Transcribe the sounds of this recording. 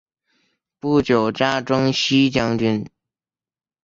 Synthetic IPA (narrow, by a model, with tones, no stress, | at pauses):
pu˥˩t͡ɕjo˨˩ʊʈ͡ʂa˥ʈ͡ʂɤ˥ŋɕi˥t͡ɕjɑ˥ŋt͡ɕy˥n